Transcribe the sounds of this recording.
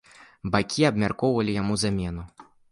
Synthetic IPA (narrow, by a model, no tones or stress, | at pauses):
bakʲiɐbmʲarkɔwvɐlʲijamuzamʲɛnu